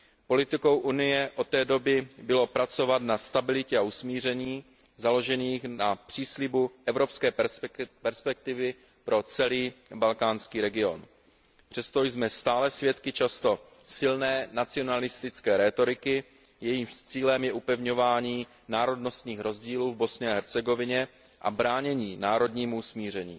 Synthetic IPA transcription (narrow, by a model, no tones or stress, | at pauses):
po̞lɪt̪ɪko̞wʔunɪjɛʔo̞t̪ːɛːdo̞bɪbɪlo̞pɾat͡so̞vat̪nast̪abɪlɪcɛausmiːr̝ɛɲiː | zalo̞ʒɛniːxnapr̝̥iːslɪbuʔɛvɾo̞pskɛːpɛɾspɛk̚t̪ɪvɪ | pɾo̞t͡sɛliːbalkaːnskiːɾɛɡɪo̞̰n | pr̥ɛst̪o̞jzmɛst̪aːlɛsvjɛt̪kɪt͡ʃast̪o̞ | sɪlnɛːnat͡sɪo̞nalɪst̪ɪt͡skɛːɾɛt̪o̞ɾɪkɪ | jɛjiːmt͡siːlɛmjɛʔupɛvɲo̞vaːɲiː | naːɾo̞dno̞st̪ɲiːxɾo̞zɟiːluːvbo̞sɲɛaɦɛɾt͡sɛɡo̞vɪɲɛ | ʔa̰bɾaːɲɛɲiːnaːɾo̞dɲiːmuusmiːrɛɲḭː